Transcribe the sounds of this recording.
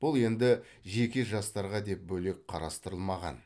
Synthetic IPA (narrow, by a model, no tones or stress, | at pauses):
b̥ʊlˠe̞nd̪ɪ | ʒe̞kʲɪʒɑst̪ɑɾʁɑd̪e̞p̚bɵle̞k̚qʰɑɾɑst̪əɾəlˠmɑʁɑ̰n